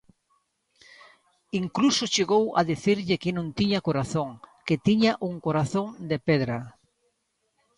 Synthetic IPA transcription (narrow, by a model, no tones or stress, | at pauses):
iŋklusot͡ʃeɣowa̰ðiθiɾʎɪkɪnõnt̪iɲɐkoɾaθoŋkɪt̪iɲaʔuŋkoɾaθoŋd̪epɛðɾɐ